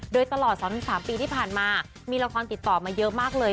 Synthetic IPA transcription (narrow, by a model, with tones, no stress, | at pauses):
doː˧jt̪a˧lɔː˨˩t̪̚sɔː˩˦n˧˩saː˨˩˦mpiː˧t̪ʰiː˥˩pʰaː˨˩nmaː˧ | miː˧la˧kʰɔː˧nt̪i˨˩t̪ːɔː˨˩maː˧jɤ˦˥ʔmaː˥˩k̚lɤː˧